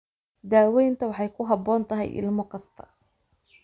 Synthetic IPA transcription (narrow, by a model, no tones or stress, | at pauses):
d̪aːwɛjnt̪ʰɐwɑħɑjkʰʊɦɑbɔːnt̪ʰɐɦɛ̰jʔɪ̰lmɔkʰɐst̪ʰɐ̥